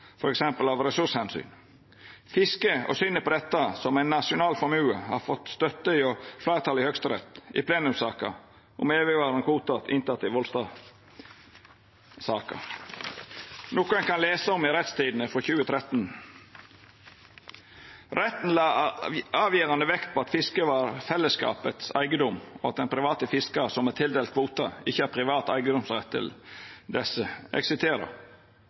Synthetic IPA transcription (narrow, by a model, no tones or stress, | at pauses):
fɔɾɛksɛmpəlɑːʋɾɛsʉʂhɛnsy̰ːn | fɪskəɔ̰sʏnːəpɔd̪ɛt̪ːəsɔmæɪnːɑʂʊnɑːlfɔɾmʉːəhɑ̰ɾfɔt̪ːst̪œt̪ːəiɔflæːɾt̪ʰɑlɪhœkst̪əɾɛ̰t̪ɪ̰pʰleːnʉmsɑːkə̰ | ʔʊmeːʋəʋɑːɾənkʰuːt̪ɑt̪ɪ̰nt̪ʰɑt̪ːɪʋɔlst̪ɑ | sɑːkə̰ | noːkːənkʰɑnleːsəɔmɪɾɛt̪st̪ʰiːd̪n̩əfɾɔçʉːət̪ʰɾɛt̪ːn̩ | ɾɛt̪n̩lɑːɑːʋjiːɾɑnəʋɛkt̪̚pʰɔːɑt̪fɪskəʋɑɾfɛlːəskɑ̰ːpət̪sæ̰ɪɡəd̪ɔmɔɑ̰t̪̚d̪ɛnpʰɾɪʋɑːt̪əfɪskɑsɔmɛt̪ʰɪld̪eːlt̪̚kʰʋuːt̪ɑɪçːəæɾpʰɾɪʋɑːt̪æɪɡəd̪ɔmsɾɛt̪ʰːɪ̰ld̪ɛsəʔɛ̰ksɪst̪ʰeːɾə̰